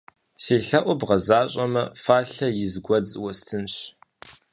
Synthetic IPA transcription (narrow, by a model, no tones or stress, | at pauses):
seːɬɐʔʷɔbʁɐzaːɕʼɐmɐfaːɬɐjɪzɡʷɔd͡zʼwɐstʰɨnɕ